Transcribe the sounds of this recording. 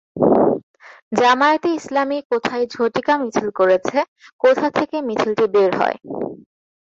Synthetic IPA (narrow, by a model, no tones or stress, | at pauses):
d͡ʑamaet̪eislamikot̪ʰaed͡ʑʱoʈikamit͡ɕʰilkoɾet͡ɕʰe | kot̪ʰat̪ʰekemit͡ɕʰilʈibeɾɦɔ̰e